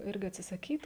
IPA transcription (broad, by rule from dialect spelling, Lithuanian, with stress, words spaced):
ˈɪrʲɡʲɪ ɐtʲsʲɪsɐˈkʲiːt